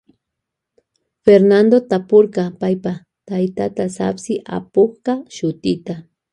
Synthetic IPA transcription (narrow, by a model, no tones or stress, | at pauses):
feɾnand̪ot̪apoɾkɑpajpa | t̪ajt̪at̪asa̰psɪʔa̰poχqɑʃʊt̪ɪt̪a